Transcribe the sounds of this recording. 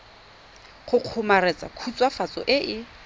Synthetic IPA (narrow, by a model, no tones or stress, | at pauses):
χʊq͡χʰʊmarɛt͡sʼa̰kʰut͡sʼwafat͡sʼɔ̰ʔɪʔɪ